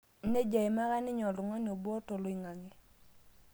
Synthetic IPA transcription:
ne˦d͡ʒa˨ɪ˨ma˦ɣa˦nɪ˦ɲɔ˨lʊ˨ŋɔ˦ni˨o˨bɔ˦to˨lo˦ɪ˨ŋa˨ŋɪ˦

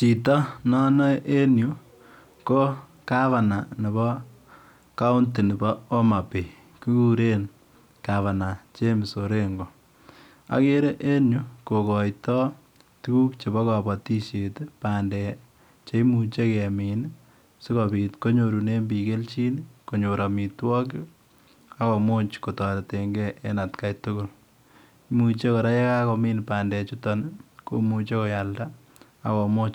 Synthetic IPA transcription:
t͡ʃi˨tɔ˦nɔ˦nɔ˦ʔe˦nju˨ | ko˦ | ka˦βa˨na˨ni˨bɔ˦ | ka˦u˦nti˨nɪ˨bɔ˦o˦ma˨pe˨ | ki˦ku˦ɾe˦n | ka˨βa˨na˨t͡ʃe˦mɪ˨so˨ɾe˦ŋɡo˨ | a̰˦ke˦ɾe˦ʔe˦nju˨ko˨kɔ˨jtɔ˦ | tu˦ku˦kt͡ʃe˨bɔ˦ka˨bɔ˨ti˦ʃe˨te˦pandɛ˨ | t͡ʃe˦mu˨t͡ʃe˦kɛ˨miː˨n | sɪ˦kɔbi˨tko˦ɲoɾu˨ne˦mbi˨ke˦lt͡ʃi˦nko˨ɲo˨ɾa˨mi˨twɔ˦k̬ɪ | a˦kɔ˨mo˦t͡ʃko˨tɔ˨ɾe˨te˨ŋɡɛʔe˦na˨tkajtʊ˦kʊ˦l | mu˨t͡ʃe˦ko˨ɾa˦je˦ka˦ko˧mi˦npaː˨ndɛ˨t͡ʃu˦tɔ˨nko̰˨mu˨t͡ʃe˦ko˨ja˨lda˦ | a̰˨kɔ˨mo˦t͡ʃ

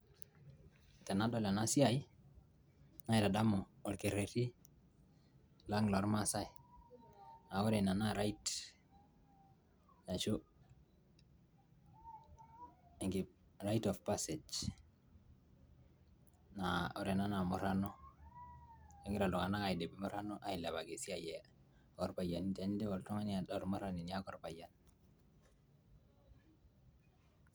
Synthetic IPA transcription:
te˨na˦do˦la˨na˦si˦a˦j | na˦i˨da˨da˦mo˨o˨lke˨ɾe˨ti˦ | la˦ŋlo˨ɾma˦sa˦j | na˨o˦ɾe˨na˨na˦ɾa˦it | ja˨t͡ʃo˦ | e˨ŋɡi˨ | ɾajtɔfpased͡ʒ | nao˦ɾenanamoɾano | eŋɡi˦ɾa˨lo˨ŋana˦kajide˨bi˨moɾa˦noʔa˨jila˨βaɡe˨si˦aje | kɔɾpajanitanide˦woltɔ˦ŋa˦nadaɾumoɾaninijakɔɾpajan

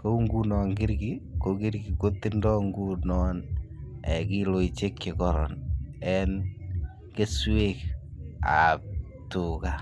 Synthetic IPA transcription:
ko˦u˦ŋɡunɔ˨ŋkɪ˦ɾkiko˨ki˦ɾki˨ko˦tːɪ˦ndɔ˦ŋɡu˦nɔn | ɛ˨ki˦lo˨it͡ʃe˦kje˨kɔɾɔ̰˨nɛn | ke˦swek | a̰p̚ | tuka

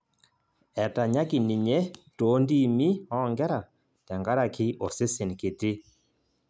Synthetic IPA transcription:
ɛ˨ta˨ɲa˦ki˨ni˨ɲɛ˦to˨˦ndi˦˨mi˦hɔ˦ŋɡɛ˦ɾa˨ | tɛ˨ŋɡa˦ɾa˨ki˦ʔɔ˨sɪ˦se˨nkɪ˨tɪ˦

